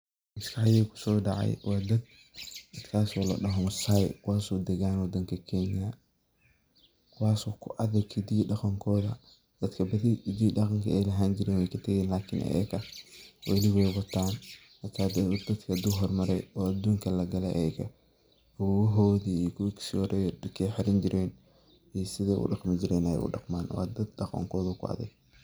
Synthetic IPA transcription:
ʔɪskʰɐħajɛːkʰʊ̥sɔːɖɑʕɑ̰jwɑːd̪ɐd̪̚ | ɐd̪kʰaːsɔːlɐ̰ɗɐɦɔsajkʰʊwaːsɔːd̪ɛɣaːnwɐd̪ɐŋkʰɐkʰɛːnɪjɐ | kʰʊwaːsɔːkʰʊʔɐðɐɡʰɪd̪iːɖɑqɑŋkʰɔːðɐ | d̪̥ɐd̪kʰɐbɐðiɪd̪iːɗɑqɑŋkʰɐɛːlɐɦaːnd͡ʒɪɾɛːnwɛjkʰɐt̪ʰɐɣɛːnlaːkʰɪnʔɐ̰ɛ̰kɐwɐlɪwɛjwɐt̪ʰaːn | hɐt̪ʰaːd̪d̪ɐd̪kʰɐd̪uɦɔrmɐɾɛjɔːad̪uːŋkʰɐlɐɡɐlɛ̰ʔɛɛkɐ̰ | ɐwɦɔːðiːiːkʰʊwksɔɾɛjkʰɛjħɪɾɪnd͡ʒɪɾʔɛːn | iːsɪðɛːʔʊ̰ɖɑqmɪd͡ʒɪɾɛːnɛjɛ̰jʔʊ̰ɖɑ̰qmaːnwɑ̰ːd̪ɐd̪ɖɑqɑ̰ŋkʰɔːðɐkʰʊ̰ɑ̰ðɪɡ

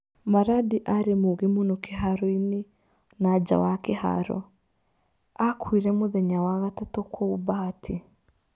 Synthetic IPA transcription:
maɾadiʔaɾemoɣemonokeɦaɾɔine | nad͡ʒa̰wakeha̰ɾɔ̰ | akwiɾɛmoðɛɲawaɣatatɔkwɔubaːtʰi

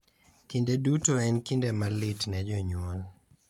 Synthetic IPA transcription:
kindedutoɛnkindemalɪtnɛd͡ʒɔɲwɔl

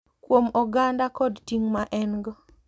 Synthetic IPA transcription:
kwomɔɡandakɔdtiŋmaʔɛnɡɔ

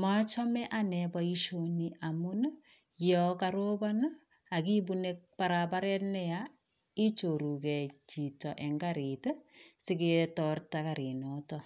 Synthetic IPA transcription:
mat͡ʃɔmɛʔanɛbaiʃoniamʊn | jɔkaɾoban | akibunek̚paɾabaɾɛtnɛja | it͡ʃoɾukɛt͡ʃitɔʔɛŋɡaɾitsɪketɔrtakaɾinɔtɔ

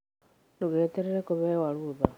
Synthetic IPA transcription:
duɣeːteɾeɾekuβewaluða

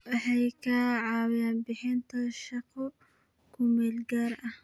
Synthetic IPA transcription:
wɑħɑjkʰɐʕɑːwjaːnbɪħɪnt̪ʰɐʃɐqɔ | kʰʊmɛːlɡaːrɐh

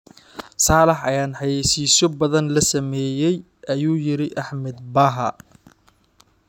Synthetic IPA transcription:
saːlɛħɐjaːnħɑjɛjsiːsɔbɐðɐnlɐsɐmɛːjɛj | ʔɐjuːjɪɾɪʔɐħmɛd̪̚bɐɦɐ̰

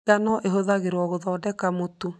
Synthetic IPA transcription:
anɔʔeɦoðaɣeɾɔɣoðɔːdɛkamotu

